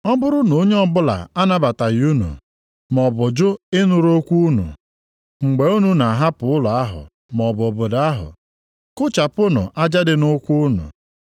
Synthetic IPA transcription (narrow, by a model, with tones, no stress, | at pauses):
ɔ˦bʊ˦ɾʊ˦no˨˦ɲe˦ɔ˦bʊ˦la̰˨a˦na˦ba˨ta˨ju˦nṵ˨ | m˨ɔ˨bʊ˨d͡ʒʊ˦ɪ˦nʊ˨ɾo˦kʷu˦nṵ˨ | ŋ͡m̩˨ɡ͡be˨˦u˦nu˨na˨ɦa˦pʊ˨ʊ˦lʊ˨a˦ɦʊ̰˨ | m˨ɔ˨bʊ˨bʊ˨da˦ɦʊ̰˨ | kʊ˦t͡ʃa˨pʊ˦nʊ̰˨ʔa˦d͡ʒa˦dɪ˨nʊ˦kʷu˦nṵ˨